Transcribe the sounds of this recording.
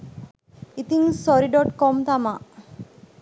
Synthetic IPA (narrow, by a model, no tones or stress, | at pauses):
it̪iŋsɔɾiɖɔʈkɔmt̪ama